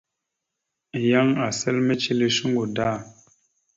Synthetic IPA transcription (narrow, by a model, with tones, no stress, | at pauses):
ja˦ŋa˨sɛ˦lme˦t͡ʃi˦le˦ʃu˦ŋɡo˨da˦˨